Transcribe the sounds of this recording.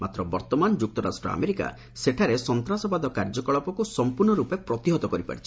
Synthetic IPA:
mat̪ɾɔbɔɾt̪ɔmand͡ʒuk̚t̪ɔɾa̰sʈɾɔ̰a̰meɾika̰ | seʈʰaɾesɔnt̪ɾasɔbad̪ɔkaɾd͡ʒɔkɔɭɔpɔkusɔmpuɾɳɔɾupepɾɔt̪iɦɔt̪ɔkɔɾipa̰ɽit͡ʃʰi̥

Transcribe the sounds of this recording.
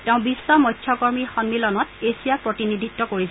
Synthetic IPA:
teʊ̃bisːɔmɔjtʰjɔkɔɹmixɔnmilɔnɔtesijapɹotinid̪ʱitːɔkoɹis

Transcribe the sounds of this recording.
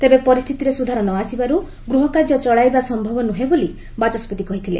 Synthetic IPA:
t̪ebepɔɾist̪ʰit̪iɾesud̪ʱaɾɔnɔasibaɾu | ɡɾuɦɔkaɾd͡ʒɔt͡ʃɔɭajbasɔmbʱɔbɔnuɦeboli | bat͡ʃɔspɔt̪ikɔɦit̪ʰilḛ

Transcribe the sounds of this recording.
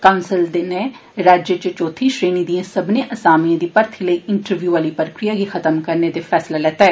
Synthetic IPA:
kaʊnsəld̪ɪne | ɾaːd͡ʒjət͡ʃt͡ʃoːt̪ʰiːʃɾeːniːd̪iːãːsəbnẽːʔəsaːmiãːd̪iːpəɾt̪ʰiːləiːʔɪɳʈəɾʋjuːʋaːliːpɾəkɾijaːɡixʰət̪əmkəɾneːd̪eːpʰɛːslaːlɛːt̪aɛː

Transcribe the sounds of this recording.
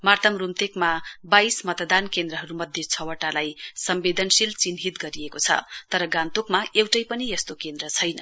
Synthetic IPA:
mart̪ʌmrumt̪ekmabajsmʌt̪d̪ankend̪ɾʌɦʌɾumʌd̪ʱjet͡sʰʌwʌʈːalajsʌmbed̪ʱʌnsilt͡sinɦit̪ɡʌɾiekot͡sʰʌ̰t̪ʌɾʌɡãnt̪okmaewʈʌjpʌnijʌst̪okend̪rʌt͡sʰʌjnʌ̰

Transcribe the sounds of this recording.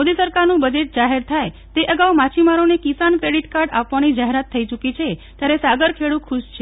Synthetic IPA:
od̪isəɾkaɾnũbəd͡ʒeʈ̚d͡ʒaɦeɾt̪ʰaj | t̪eʔəɡawumat͡ʃʰimaɾonekisankɾeɽiʈkaɾɖapʋanid͡ʒaɦeɾat̪ʰːəit͡ʃukit͡ʃʰet̪jaɾesaɡəɾkʰeɭũkʰuʃt͡ʃʰe

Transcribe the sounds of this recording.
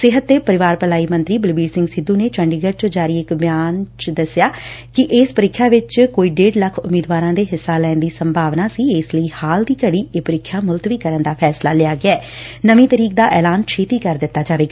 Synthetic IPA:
sɪɦət̪̚d̪eːpəɾɪʋaːɾpəlaːiːmə̃nt̪ɾiːbɪlbiːɖsɪ̃ŋɡsɪd̪ːuːneːt͡ʃəɳɖiːɡəʈt͡ʃod͡ʒaːɾiːɪkbjaːnt͡ʃd̪əsɪjaːkɪʔɪːspəɾɪkʰːjaːʋɪt͡ʃkoːiːɖeːɖləkʰʊmiːd̪ʋaːɾãːd̪eːɦɪsːaːlɛ̃ːnd̪iːsəmbʱaːʋnaːsiːɪsləiːhaːld̪iːkəɽiːepəɾɪkʰːjaːmʊlt̪ʋiːkəɾənd̪aːpʰɛːslaːleaːɡɪaɛːnəmĩːt̪əɾiːk̚d̪aːʔɛːlaːnt͡ʃʰeːt̪iːkəɾd̪ɪt̪ːaːd͡ʒaːʋeːɡaː

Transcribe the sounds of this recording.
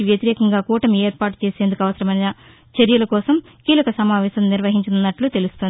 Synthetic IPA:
iʋjɐt̪iɾɛːkɐŋɡaːkuːʈɐmeːɾpaːʈu̥t͡ʃeːse̞ːnd̪ukɐʋɐsɐɾɐmɐjnɐ | t͡ʃɐɾjɐlɐkɔːsɐm | kiːlɐkɐsɐmaːʋɛːʃɐmniɾʋɐɦiɲt͡ʃɐnunːɐʈlut̪e̞lust̪ond̪i

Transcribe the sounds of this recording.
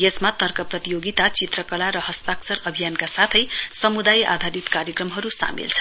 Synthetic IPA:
jesmat̪ʌrkʌprʌt̪ijoɡit̪at͡sit̪rʌkʌlaɾʌɦʌst̪aksʌɾʌbʱijankasat̪ʰʌjsʌmud̪aja̰d̪ʱaɾit̪kaɾjekrʌmɦʌɾusa̰mḭlt͡sʰʌ̥

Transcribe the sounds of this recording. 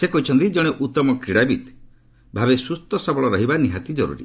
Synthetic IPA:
sekɔɦit͡ʃʰɔnt̪id͡ʒɔɽ̃eʔut̪ɔmɔkiɽabit̪ | bʱabesust̪ɔsɔbɔɭɔɾɔɦibaniɦat̪id͡ʒɔɾṵɾḭ

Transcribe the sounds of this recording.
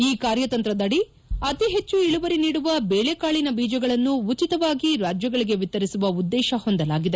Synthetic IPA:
iːkaːɾjɐt̪ɐnt̪ɾɐd̪ɐɽi | ɐt̪iɦe̞t͡ʃːuiɭuʋɐɾiniːɽuʋɐbeːɭekaːɭinɐbiːd͡ʒɐɡɐɭɐnːuut͡ʃit̪ɐʋaːɡiɾaːd͡ʒjɐɡɐɭiɡe̞ʋit̪ːɐɾisuʋɐud̪ːɛːʃɐho̞nd̪ɐlaːɡid̪e̞

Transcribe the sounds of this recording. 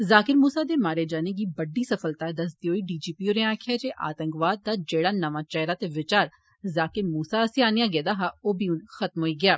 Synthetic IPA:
zaːkɪɾmuːsaːd̪eːmaːɾeːd͡ʒaːneɡiːbəɖːiːsəfəlt̪ad̪əs̬d̪ioːiːɖiːd͡ʒiːpiːoːnẽaːkʰjaːd͡ʒeːʔa̰ːt̪ə̃ŋkʋaːd̪̚d̪aːd͡ʒeːɽaːnəʋãːt͡ʃɛɦɾaːt̪eʋɪt͡ʃaːɾ | zaːkɪɾmuːsaːəsĩaːnijaːɡeːd̪aːɦaːoːbiːʊnxət̪mɦoːiːɡɪjaː

